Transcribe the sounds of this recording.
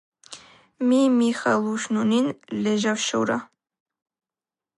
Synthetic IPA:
mimixɑlˠuʃnuninlɛʒɑwʃəwɾɑ̰

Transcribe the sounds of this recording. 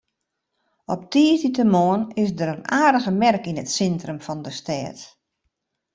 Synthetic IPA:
ɔp̚tiːətitəmoːənɪsdəɾənaːrdəɣəmɛrkinətsɛntrəmfɔndəstɛːt

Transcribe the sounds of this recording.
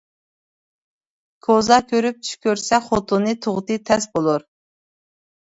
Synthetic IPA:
kʰozɑkʲʰøɾyp̚t͡ʃ̪ʰy̥ʃkʲøɾsɛχot̪ʰunɨt̪ʰʊʁt̪ɨt̪ʰɛsbolˠuɾ

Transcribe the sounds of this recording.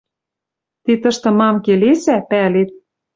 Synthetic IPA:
t̪it̪ɤ̆ʃt̪ɤ̆mɑmkelesæpælet̪̚

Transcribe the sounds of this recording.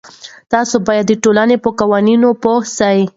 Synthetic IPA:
t̪ɑsobɑjad̪ːəʈolanepəkawɑninopohsai

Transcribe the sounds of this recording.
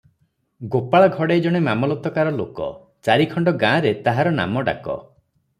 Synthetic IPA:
ɡopaɭɔɡʱɔɽejd͡ʒɔɽ̃emamɔlɔt̪ɔkaɾɔlokɔ̰ | t͡ʃaɾikʰɔɳɖɔɡãːɾet̪aɦaɾɔna̰mɔɖa̰kɔ̰

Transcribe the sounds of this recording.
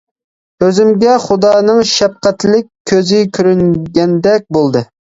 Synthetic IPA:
øzymɡʲɛχʊd̪ɑːnɨŋʃɛp̚qæt̪lɪkʲʰːøzɪkʲʰyɾyŋɡʲɛnd̪ɛk̚ʲbolˠd̪ɨ

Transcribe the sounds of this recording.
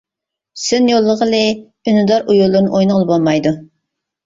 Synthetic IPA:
synjolˠːəʁəlˠɪ | ynɨd̪ɑɾʔujulˠːʊɾnɨʔojnɨʁlˠɨbolˠmɑjd̪u

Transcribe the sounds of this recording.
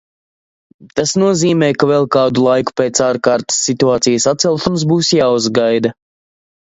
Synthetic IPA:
t̪asnuɔziːmɛjkavɛlˠkaːd̪ulˠajku̥peːt̪saːɾkaːɾt̪ə̥sːit̪uaːt̪sijɐsat̪sɛlˠʃums̬buːsjaːuzɡajd̪ɐ

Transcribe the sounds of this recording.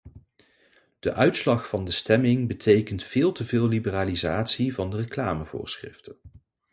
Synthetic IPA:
d̥əʔœɥtslɑχfɑndəstɛmɪŋbətʰejkəntfɪːlˠtəvɪːlˠlibəraːlizaːtsivɑndərəklaːməvʊ̰ːɹsχrɪ̰ftən

